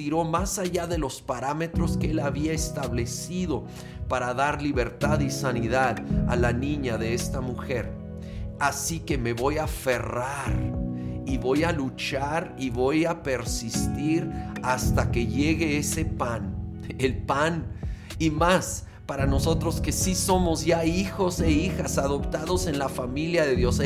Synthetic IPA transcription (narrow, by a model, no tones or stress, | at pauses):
iɾo̞masaʝaðe̞lo̞spaɾame̞t̪ɾo̞skee̞laβiaest̪aβle̞siðo̞ | paɾaðaɾliβe̞ɾt̪aðisaniðaða̰lanĩɲaðe̞e̞st̪amuxe̞ɾ | asike̞me̞βo̞jafe̞raɾiβo̞jalut͡ʃaɾiβo̞jape̞ɾsist̪iɾast̪ake̞ʝe̞ɣe̞ese̞pan | elpan | imas | paɾano̞so̞t̪ɾo̞ske̞siso̞mo̞zʝaixo̞se̞ixasaðo̞pt̪aðo̞se̞nlafamiljaðe̞ðjo̞s